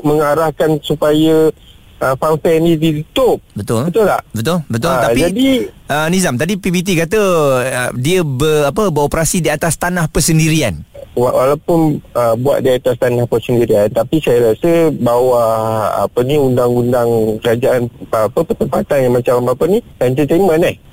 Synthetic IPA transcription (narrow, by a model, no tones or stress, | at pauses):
məŋaɾahkansupajə | ʔəfanfɛnidit̪ut̪ʊp̚bət̪ʊlət̪ʊla̰hbət̪ʊlbət̪ʊlapid͡ʒadiʔənizamt̪adipibit̪̬ikat̪əədiəbərapəbəɾopɾasidiat̪ast̪anahpərsəndiɾianwawa̰lawpʊnəbua̰ʔ̚diat̪ast̪anahpəsəndiɾiant̪apisajəɾasəbawaha̰pəniundaŋundaŋkəɾad͡ʒaanapəpət̪əmpat̪anjaŋmat͡ʃambapənikant̪ət̪emə̃nɪh